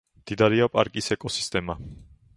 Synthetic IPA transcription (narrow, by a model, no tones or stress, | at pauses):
md̪̥id̪aɾiapʼa̰ɾkʼisɛkʼɔsi̥st̪ʼɛma